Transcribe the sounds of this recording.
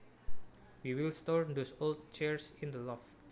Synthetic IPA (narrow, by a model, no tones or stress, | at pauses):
wiwilstɔɹnd̪osold̚t͡ʃɛɹsĩnd̪əlɔf